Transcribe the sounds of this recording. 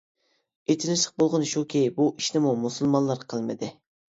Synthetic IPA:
et̪ʰɪlɪʃlˠɪq̚bolˠʁʊnʃukʲʰejbuiʃnɪmumusɨlˠmɑnlˠɑɾqʰəlˠmɨd̪ɪ

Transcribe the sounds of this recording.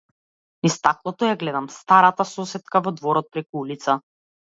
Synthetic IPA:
nist̪aklˠɔt̪ɔjaɡlɛd̪amst̪aɾat̪asɔsɛt̪kavɔd̪vɔɾɔt̪̚pɾɛkuulit̪sa

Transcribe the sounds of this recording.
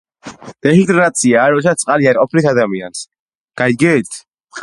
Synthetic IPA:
d̪̥ɛiŋt̪ʼɛɾnat̪sʰiaːɾɔd̪sat̪t̪sʼqʼaliaɾʼɔpʰlit̪ʰad̪amia̰ns | ɡ̥ajd̪̚ɡɛt̪ʰ

